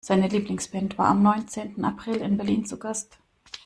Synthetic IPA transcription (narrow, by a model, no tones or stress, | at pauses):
z̥aɪnəliːplɪŋsb̥ɛntv̥aːɐamnɔʏnt͡seːntn̩a̰pʁ̥ɪlɪnbɛɐliːnt͡suɡ̥ast